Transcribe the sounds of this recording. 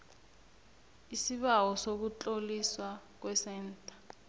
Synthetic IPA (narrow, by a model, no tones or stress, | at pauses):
isiɓawɔsok̬ut͡ɬʼoliswa | k̬wɛsɛːntʼḁ